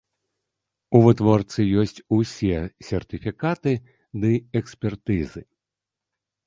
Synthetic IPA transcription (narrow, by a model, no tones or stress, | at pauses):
uvɨt̪vɔrt̪sɨjɔsʲt͡sʲusʲɛsʲɛrt̪ɨfʲikat̪ɨ | d̪ɨɛksʲpʲɛrt̪ɨzɨ